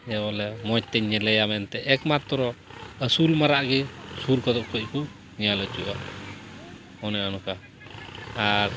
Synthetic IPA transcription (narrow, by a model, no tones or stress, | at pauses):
d͡ʒɛβɔlɛmɔc̚t̪ɛɲːɛlɛjamɛnt̪ɛʔɛkmat̪ːɔɾɔəsulmaɾaʔɡisuɾkat̪ɔʔkʰɔc̚ku | ɲalət͡ʃuʔaʔ | ɔnɛɔnuka | aɾ